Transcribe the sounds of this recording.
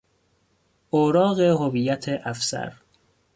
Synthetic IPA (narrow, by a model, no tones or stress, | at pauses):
ʔoɾɒːɣeɦovijæt̪ʰeʔæfsæ̰ɾ